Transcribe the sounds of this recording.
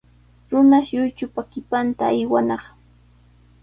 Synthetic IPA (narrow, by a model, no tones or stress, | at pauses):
ɾʊnaʃjʊjt͡ʃʊpakɪpant̪aːjwanɑχ